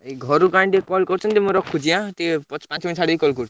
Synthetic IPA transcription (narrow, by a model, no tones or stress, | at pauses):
eɡʱɔɾukaɳʈekɔlkɔɾut͡ʃʰɔnt̪emũɾɔkʰːud͡ʒiãt̪epɔpãt͡ʃminsaɽid̪ikɔlkɔɾut͡ʃʰu